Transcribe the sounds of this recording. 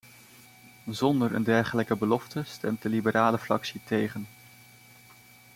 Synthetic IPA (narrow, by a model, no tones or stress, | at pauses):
zɔndəɹə̰ndɛɹχələkəbəlɔftəstɛ̰mt̚dəlibəɾʔaːləfrɑksitejχən